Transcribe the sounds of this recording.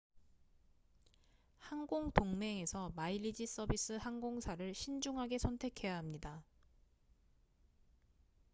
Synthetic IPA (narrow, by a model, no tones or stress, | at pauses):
hanɡoŋtoŋme̞ŋe̞sʰʌmailːid͡ʑis͈ʌbis͈ɯhaŋɡoŋsʰaɾɯɭɕʰind͡ʑuŋɦaɡe̞sʰʌntʰe̞kʰe̞jaɦamɲida